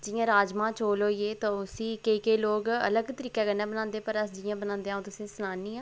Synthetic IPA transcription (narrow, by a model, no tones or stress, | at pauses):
d͡ʒɪjãːɾaːd͡ʒmãːt͡ʃoːlɦoːiːeːt̪ãːʊsĩːkeikeːloːɡə̰ləɡt̪əɾiːkɛːɡənːaːbənãːnd̪eːpəɾəsd͡ʒɪjãːbənãːnd̪eaːũt̪ʊsẽːsənaːnĩːãː